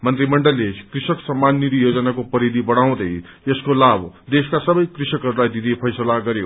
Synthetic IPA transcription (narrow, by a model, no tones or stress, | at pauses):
mʌnt̪ɾimʌɳɖʌlːekrisʌksʌmːanːit̪ijod͡zʌnakopʌɾid̪ibʌɽ̃aw̃d̪ʌj | eskolabd̪eskasʌbʌjkrisʌkɦʌɾulajd̪id̪epʰʌjsʌlaɡʌɾjo